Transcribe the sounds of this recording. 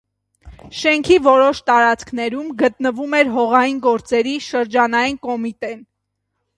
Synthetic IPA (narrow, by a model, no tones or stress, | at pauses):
ʃɛŋkʰivɔɾɔʃt̪ɑɾɑt͡skʰn̪ɛɾumɡət̪nəvumɛɾɦɔʁɑjinɡɔɾt͡sɛɾiʃəɾd͡ʒɑnɑjinkɔmit̪ɛn